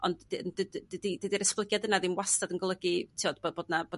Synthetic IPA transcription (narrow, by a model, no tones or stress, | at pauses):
ɔ̰ndndədədidədiɾɛsplˠəɡjadənaðinwastadənɡɔlˠəɡitʰiɔdboboːdnaboː